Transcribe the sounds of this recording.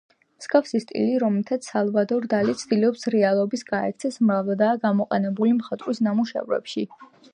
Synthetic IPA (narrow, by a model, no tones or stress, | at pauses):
msɡʼafsist̪ʼḭliɾɔmɛt̪ʰat̪ssalˠvad̪ɔɾd̪alit̪sʰd̪̥iliɔpsɾɛalˠɔbisɡaɛ̰k̚t̪sʰɛsmɾavˠad̪aːɡamɔqʼɛnɛbulimχat̪ʼɾwisnamuʃɛ̰vɾɛ̰pʃi